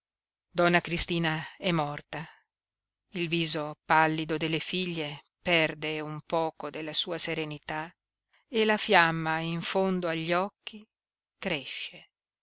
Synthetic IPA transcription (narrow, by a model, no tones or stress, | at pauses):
d̪ɔnːakɾist̪iːnaɛmːɔrt̪a | ilviːzopalːid̪od̪elːefiʎːe | pɛrd̪eumpɔːkod̪elːasuːaseɾenit̪a | elafjamːaiɱfond̪oaʎːɔkːi | kɾeʃːe